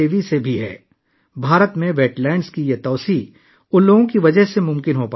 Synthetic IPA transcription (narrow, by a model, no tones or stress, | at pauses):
eːʋisebʱiɦɛ̰ː | bʱaːɾət̪mẽʋeːʈlaːɪnskijɐt̪ɔːsiː | ʊ̃nloːɡõkiʋɐd͡ʒəɦsemʊ̃mkɪnɦopaː